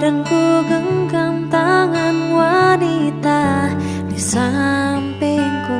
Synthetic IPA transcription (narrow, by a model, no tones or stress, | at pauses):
dəŋkuɡəŋkamt̪aŋanwanit̪a | disampɛŋku